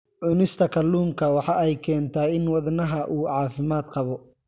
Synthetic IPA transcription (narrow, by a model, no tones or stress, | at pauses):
ʕʊnɪst̪ʰɐkʰɐluːŋkʰɐwɑħɑːɛjkʰɛːnt̪ʰaːɪnwɑðnɐɦɐʔuːʕɑːfɪmaːd̪qɑβɔ